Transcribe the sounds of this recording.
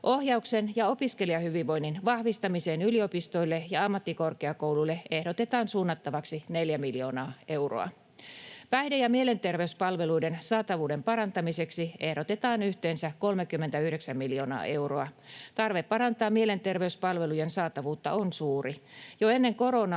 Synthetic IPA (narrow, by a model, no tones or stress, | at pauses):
ʔohjɑuksenjɑo̞piskeliɑhyʋiʋʋo̞inːinʋɑhʋist̪ɑmiseːnyliopist̪o̞ilːejɑɑmːɑt̪ːiko̞rkeɑkowlulːee̞hdot̪et̪ɑːnsuːnːɑt̪ːɑʋɑksineljæmiljo̞ːnɑːe̞uro̰ɑ̰ | pæidejɑmiele̞nt̪erʋeyspɑlʋe̞luidensɑːt̪ɑʋuːde̞mpɑɾɑnt̪ɑmise̞ksiehɾo̞t̪et̪ɑːnyht̪eːnsæko̞lmekymːent̪æyhɾeksæmːiljo̞ːnɑ̰ːʔe̞wroɑt̪ɑrʋeppɑɾɑnt̪ɑːmiele̞nt̪erʋeyspɑlʋe̞lujensɑːt̪ɑʋuːt̪ːɑ̰onsuːrijoenːeŋko̞ɾonɑ